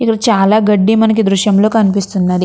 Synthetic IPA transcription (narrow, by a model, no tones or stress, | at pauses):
ikːɐɽɐt͡ʃaːlaːɡɐɖːimɐnɐk̬id̪ɾuʃjɐmlo̞ːkɐnipist̪unːɐd̪i